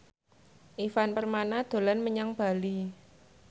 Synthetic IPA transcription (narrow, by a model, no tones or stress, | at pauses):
ʔifanpərmanad̪̥o̤lanməɲaŋb̥a̤li